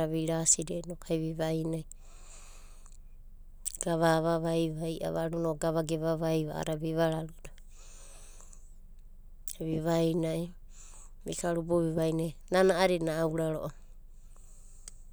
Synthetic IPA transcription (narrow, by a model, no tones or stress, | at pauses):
aβiɾasiɾenokaiβiβajnaj | ɡ̥aβaβaβajβajʔa̰βaɾunoɡaβaɡeβaβajβaa̰ɾaβiβaɾaɾuda | βiβajnai | mikʰaɾuboβiβajnajnanaʔaɾinaːwɾaɾo̰ʔo